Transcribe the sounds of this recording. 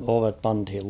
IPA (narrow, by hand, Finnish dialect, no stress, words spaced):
oʋep pɑnthil